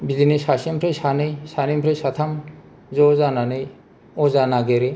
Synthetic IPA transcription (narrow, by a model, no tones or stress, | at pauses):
bidinɯsasempʰɾɯjsanɯjsanimpʰɾɯjsat̪ʰam | zɔzananɯj | ɔzanaɡeɾi